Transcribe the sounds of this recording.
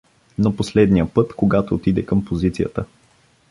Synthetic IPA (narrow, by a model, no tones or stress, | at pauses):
noposlɛd̪nijəpɤt̪koɡat̪oːt̪id̪ɛkɤmpozit̪sijə̰t̪ə